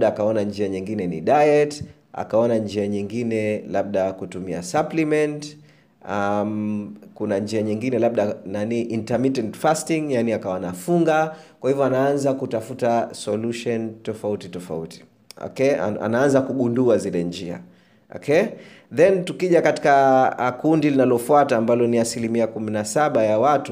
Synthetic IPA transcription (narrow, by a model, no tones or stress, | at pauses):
ɗaakaɔnand͡ʒiaɲiŋɡinɛnḭɗajɛt | a̰kaɔnand͡ʒiaɲiŋɡinɛlaɓ̚ɗakutumia̰saplimɛnt | amkunand͡ʒiaɲiŋɡinɛlaɓɗananiʔintamitɛntfastiŋjaniakawanafuŋɡa | kwahivɔanaanzakutafutasɔluʃɔntɔfautitɔfa̰ṵti̥ | ɔ̰kɛa̰a̰naanzakuɠunduazilɛnd͡ʒia̰ | ɔ̰kʰɛ | ðɛntukiʄakati̥kakundilinalɔfuataːmbalɔniasilimiakuminasaɓajawatu